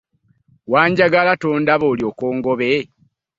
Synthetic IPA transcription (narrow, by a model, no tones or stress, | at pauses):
waːɲɟaɡalatoːndaβoːljo̞ːkoːŋɡoβe